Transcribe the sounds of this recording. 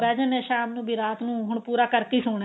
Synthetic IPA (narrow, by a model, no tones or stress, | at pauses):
bɛːd͡ʒəneːʃaːmnũːbʱiːɾaːt̪nũːɦʊɳpuːɾaːkəɾt̪iːsʊːɳ̃